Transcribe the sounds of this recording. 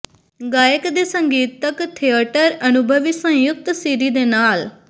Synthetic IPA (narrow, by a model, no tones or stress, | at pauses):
ɡaːjəkd̪eːsəŋɡiːt̪ːəkt̪ʰeːaːʈəɾənʊbʱəʋisə̃jʊk̚t̪siːɾiːd̪eːnaːl